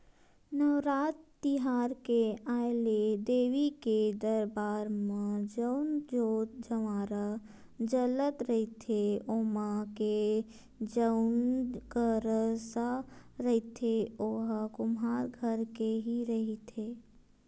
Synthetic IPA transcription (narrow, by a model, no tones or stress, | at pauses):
nəːɾaːt̪ː | ɪɦaːɾkeaːɪled̪eːʋiked̪əɾbaːɾmãd͡ʒənd͡ʒoːt̪d͡ʒəʋaːɾa | d͡ʒələt̪ɾəɦit̪ʰeoːmake | d͡ʒəʊnkəɾsaɾəɦit̪ʰeoɦkʊmɦaːɾɡʱəɾkeɦiɾəɦit̪ʰeː